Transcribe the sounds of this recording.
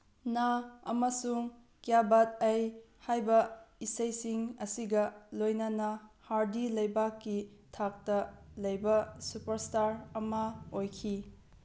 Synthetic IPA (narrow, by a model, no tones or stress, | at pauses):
naɐmɐsuŋ | kijabat̚ɐj | hajbɐisɐjsiŋɐsiɡɐlojnɐnɐhaɾdilɐjbakːitʰak̚tɐlɐjbɐsupɐɾstaɾɐmɐojkʰi